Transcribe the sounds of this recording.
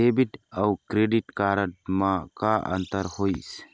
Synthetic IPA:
ebiʈəukɾeɖiʈkaːɾəʈmãkaʔə̰nt̪əɾhois

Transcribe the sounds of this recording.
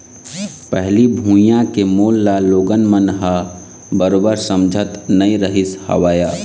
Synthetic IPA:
pɛɦlibʱuːjãkemoːlːaloːɡənmənɦa | bəɾoːbəɾsəmd͡ʒʱət̪nəĩɾəɦɪshə̰ʋaːjaː

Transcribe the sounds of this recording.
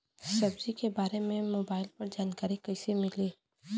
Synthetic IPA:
sɐbzikebaːɾemẽmoːbaːɪlpɐɾd͡ʒaːnkaːɾikɐɪsemɪliː

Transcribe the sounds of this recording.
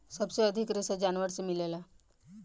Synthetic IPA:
səbseəd̪ʱikɾesəd͡ʑanʋəɾt͡səmilela

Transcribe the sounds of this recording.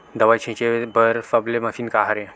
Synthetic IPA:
d̪ɐʋajt͡ʃʰẽt͡ʃebəɾfɐblemɐfinkaɦaɾẽ

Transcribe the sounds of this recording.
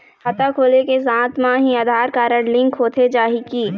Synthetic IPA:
xət̪akʰoːlekes̬ãːt̪mãɦiaːd̪ʱaːɾkaːɾəɽlɪ̃ŋkɦoːt̪ʰed͡ʒaːɦikiː

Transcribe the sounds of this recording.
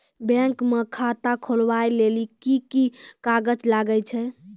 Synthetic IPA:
bɛ̃kmekʰat̪akʰolwajlelikikikaɡəd͡ʒlaɡəjt͡ʃʰɛ

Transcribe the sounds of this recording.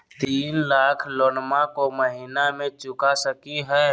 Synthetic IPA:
t̪iːnlaːkʰloːnmakoməɦiːnamẽt͡ʃʊkasəkiɦɛː

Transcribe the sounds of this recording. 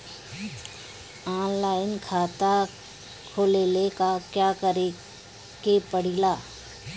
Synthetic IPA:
ɔ̃ːnlaːɪnkʰaːt̪a | kʰoːlelekakjaːkəɾe | kepəɽ̤ilaː

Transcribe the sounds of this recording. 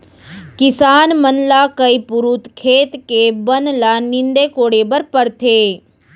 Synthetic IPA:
kɪsaːnmənlaːkəipuɾut̪kʰeːt̪kebənlanɪnd̪eːkoːɽeːbəɾpəɾt̪ʰeː

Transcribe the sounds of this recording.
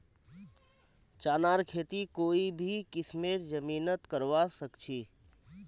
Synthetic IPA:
t͡ʃaːnaːɾkʰeːt̪ikoːibʱikɪsmeːɾd͡ʒəmiːnət̪kəɾʋasəkt͡ʃʰiː

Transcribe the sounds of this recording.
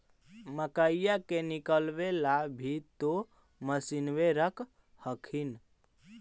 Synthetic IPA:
məkəjjakenikəlʋelabʱit̪o | məsinʋeɾəkʰ | həkʰin

